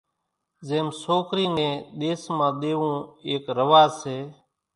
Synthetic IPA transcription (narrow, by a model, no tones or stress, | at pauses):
zeːmsoːkɾiːnẽːɗ̪eːsmãːɗ̪eːʋũːeːkɾəʋaːseː